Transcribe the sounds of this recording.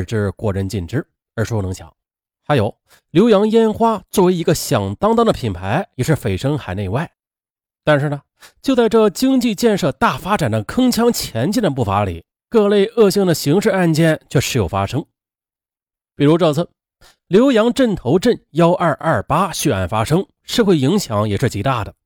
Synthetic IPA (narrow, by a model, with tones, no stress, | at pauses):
ʈ͡ʂɻ̩˥˧kwɔ˥˩ɻə˥˧nt͡ɕi˥˩nʈ͡ʂɻ̩˥˩ | ə˞˧˥ʂwɔ˥˩nɤ˧˥ŋɕʰjɑ̰˨˧˥ŋ | xa˧˥jo˨˧˩ʊ | ljo˧˥ʊjɑ˧˥ŋjɛ˥nxwa˥t͡swɔ˥˩we˧˥ɪi˧˥ɡə˧ɕjɑ˨˩ŋt̪ɑ˥ŋt̪ɑ˥d̪ə˨pʰi˨˩npʰa˧˥ɪjɛ˨˩ʂɻ̩˥˩fe˨˩ɪʂɤ˥ŋxa˨˩ɪne˥˧ɪwa˥˩ɪ | t̪a˥˧nʂɻ̩˥˩nə˩ | t͡ɕjo˥˧ʊt͡sa˥˧ɪʈ͡ʂɤ˥˩t͡ɕi˥ŋt͡ɕi˥˧t͡ɕjɛ˥˧nʂɤ˥˧t̪a˥˩fa˥ʈ͡ʂa˨˩nd̪ə˦kʰɤ˥ŋt͡ɕʰjɑ˥ŋt͡ɕʰjɛ˧˥nt͡ɕi˥˩nd̪ə˩p̬u˥˩fa˧˥lḭ˨˩˦ | kɤ˥˧le˥˧ɪʔɤ˥˧ɕi˥˩ŋd̪ə˩ɕi˧˥ŋʂɻ̩˥˧a˥˧nt͡ɕjɛ˥˩nt͡ɕʰɥɛ˥˧ʂɻ̩˥˩jo˨˩ʊfa̰˥ʂɤ˥ŋ | pi˨˩ɻu˧˥ʈ͡ʂɤ˥˧˩t͡s̩ʰ˥˩ | ljo˧˥ʊjɑ˧˥ŋʈ͡ʂə˥˩nt̪ʰo˧˥ʊʈ͡ʂə˥˩njɑ˥ʊʔɐ˞˥˧˩ʔɐ˞˥˩pa˥ɕy˥˧a̰˥˩nfa˥ʂɤ˥ŋ | ʂɻ̩˥˧xwe˥˩ɪi˧˥ŋɕjɑ˧˥ŋjɛ˨˩ʂɻ̩˥˩t͡ɕi˧˥t̪a˥˩d̪ə˩